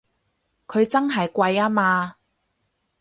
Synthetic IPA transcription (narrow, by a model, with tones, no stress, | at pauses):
kʰɵ˨˧ɥt͡sɐ˥nɦɐ˨jkʷɐ˧jaː˥maː˧